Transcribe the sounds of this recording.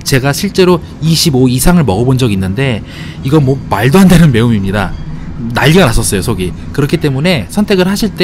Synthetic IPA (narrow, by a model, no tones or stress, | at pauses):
t͡ɕe̞ɡaɕʰiɭt͡ɕ͈e̞ɾo | iɕʰiboisʰaŋɯɭmʌɡʌbond͡ʑʌɡinːɯnde̞ | iɡʌmwʌmaɭdoɦandenɯnme̞omimɲidanaʎːiɡanas͈ʌs͈ʌjosʰoɡi | kɯɾʌkʰit͈e̞mune̞sʰʌntʰe̞ɡɯɭhaɕʰiɭt͈e